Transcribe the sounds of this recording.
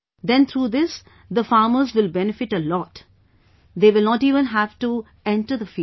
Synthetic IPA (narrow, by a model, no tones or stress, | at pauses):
d̪ɛ̃nt̪ʰɾuːd̪ɪs | d̪əfaːməzʋɪlbɛnɪfɪʈəlɔːʈ | d̪eːʋɪlnɔːʈiːʋə̃nɦæʋʈu | ɛ̃ɳʈəd̪əfi